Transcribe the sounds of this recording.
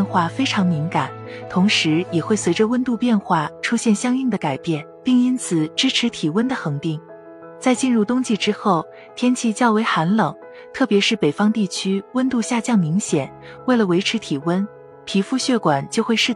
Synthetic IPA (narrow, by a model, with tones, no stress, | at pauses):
nxwa˥˩fe˥ɪʈ͡ʂʰɑ˧˥ŋmi˧˥ŋka˨˩˦nt̪ʰʊ˧˥ŋʂɻ̩˧˥jɛ˨˩xwe˥˩ɪswe˧˥ɪʈ͡ʂə˧wə˥nt̪u˥˧pjɛ˥˧nxwa˥˩ʈ͡ʂʰu˥ɕjɛ˥˩nɕjɑ˥ŋi˥˩ŋd̪ə˩ka˨˩ɪpjɛ˥˩npi˥˩ŋi˥nt͡sʰɹ̩˨˩ʈ͡ʂɻ̩˥ʈ͡ʂʰɻ̩˧˥t̪ʰi˨˩wə˥nd̪ə˨xɤ˧˥ŋt̪i˥˩ŋ | t͡sa˥˧ɪt͡ɕi˥˧nɻu˥˩t̪ʊ˥ŋt͡ɕi˥˧ʈ͡ʂɻ̩˥xo˥˩ʊ | t̪ʰjɛ˥nt͡ɕʰi˥˧t͡ɕjɑ˥˩ʊwe˧˥ɪxa˧˥nlɤ˨˩ŋ | t̪ʰɤ˥˩pjɛ˧˥ʂɻ̩˥˩pe˨˩fɑ˥ŋt̪i˥˩t͡ɕʰy˥wə˥nt̪u˥˧ɕja˥˧t͡ɕjɑ˥˩ŋmi˧˥ŋɕjɛ˨˩˦n | we˥˩ɪlə˩we˧˥ɪʈ͡ʂʰɻ̩˧˥t̪ʰi˨˩wə˥n | pʰi˧˥fu˥˧ɕɥɛ˥˩kwa˨˩nt͡ɕjo˥˧ʊxwe˥˧ɪʂɻ̩˥˩